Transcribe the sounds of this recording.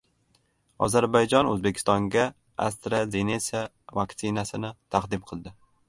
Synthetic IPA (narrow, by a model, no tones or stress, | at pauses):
ɒ̰zaɾbajd͡ʒɒnɵzbe̞kʲʰɪ̥st̪ɒŋɡʲa | a̰st̪ɾazenesa | vakt̪sɪnasɪnɪt̪ʰɑqd̪ɪmqʰɨlˠd̪ɪ